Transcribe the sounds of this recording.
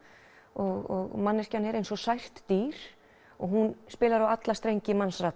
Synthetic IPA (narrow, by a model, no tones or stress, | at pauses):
ɔɣɔ̰ɣmanːɛscanɛɾejnsɔsajr̥t̪ːiɾ̥ | ɔɣɦunspɪːlaɾawat̪last̪ɾejɲcɪmansraː